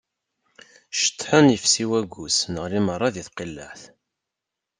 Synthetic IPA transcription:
ʃə̥t̪ːħənjəfsiwæɡʷusnəʁɾimərˤːɑðiθqilːə̰ħθ

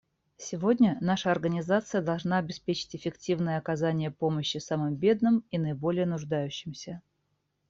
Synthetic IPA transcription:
sʲɪvo̞dʲnʲənaʂəɐrɡənʲɪzat̪sɨjəd̪ɐlˠʐnaɐbʲɪspʲet͡ɕɪ̥tʲɪfʲɪktʲivnɨjəɐkɐzanʲɪjəpoməɕːɪsamɨmbʲe̞d̪nɨminəɪbo̞lʲɪjənʊʐd̪ajʉɕːɪmsʲə

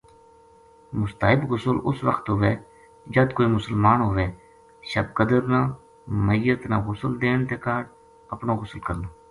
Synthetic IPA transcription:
mʊst̪aːɦɪbɣʊsəlʊsʋəkʰt̪ɦoːʋeː | d͡ʒəd̪koːiːmʊsəlmaːnɦoːʋeː | ʃəb̚kəd̪əɾnaː | məɪjət̪naːɣʊsəld̪eːɳt̪eːkaːɖ | əpnoːɣʊsəlkəɾnaː

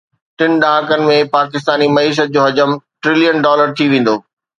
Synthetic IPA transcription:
ʈɪn̆ɗãːkənɪ̆mẽpaːkɪst̪aːnimɐiːʃ̬ət̪̚d͡ʑoːɦɐd͡ʑəmʈɾɪlijənɖɔːləɾt̪ʰiʋẽːn̆d̪oː

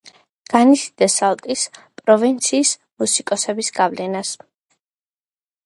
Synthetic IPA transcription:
ɡ̥anisid̪̥ɛsalˠt̪ʼispʼɾɔvint̪sʰiːs | musikʼɔsɛbisɡavlɛnas

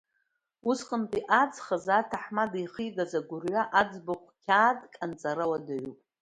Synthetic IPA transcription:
usqʼəntʼiʔad͡zχazatʰaħmadijχiɡazaɡʷʊrɥʷaʔad͡zbaqʷʰkʲʰaːdkʼant͡sʼaɾɨwadaɥupʼ

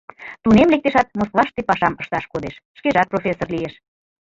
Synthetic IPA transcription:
t̪unemlek̚t̪eʃɑt̪̚moskvɑʃt̪epɑʃɑməʃt̪ɑʃkod̪eʃːkeʒɑt̪̚profʲesːorlieʃ

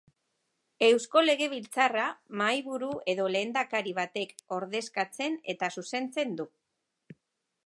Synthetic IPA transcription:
e̞wsko̞le̞ɣ̞e̞β̞ilt͡saramajβuɾue̞ðo̞le̞ːnd̪akaɾiβ̞at̪e̞ko̞ɾðe̞skat͡se̞ne̞t̪asuse̞nt͡se̞nd̪u

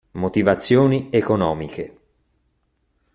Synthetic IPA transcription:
mot̪ivat̪sːjoːniekonɔːmike

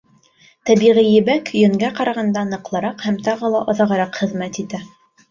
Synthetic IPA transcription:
t̪æβiʁijɘ̆bækjɵ̆ŋɡæqɑɾɑʁɑnd̪ɑnɤ̆qlˠɤ̆ɾɑqhæmt̪ɑʁɤlˠɑʔɑðɑʁɑ̆ɾɑqχɘ̆ðmæt̪it̪æ

